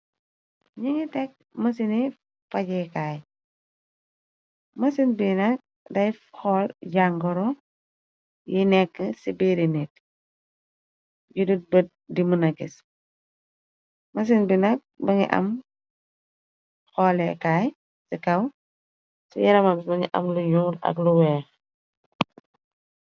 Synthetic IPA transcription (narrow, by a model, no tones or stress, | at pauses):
ɲiŋitɛk̚mɐsini | fɐɟɛkaːj | mɐsinbinɐk̚ | dɐjxɔlɟaŋɡɔɾɔ | jinɛkːəsibiɾinɛt̚ | ɟudut̚bət̚ | dimunɐɡis | mɐs̬inbinɐk̚bɐɲḭʔɐ̰m | xɔlɛkaj | sikɐw | sḭjɐɾɐmamsbɐɲiʔɐ̰mluɲuːɾɐ̰kluwɛː